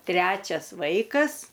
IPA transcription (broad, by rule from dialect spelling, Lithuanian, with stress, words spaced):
ˈtʲrʲæːt͡ʃʲɛs ˈʋɐɪkɐs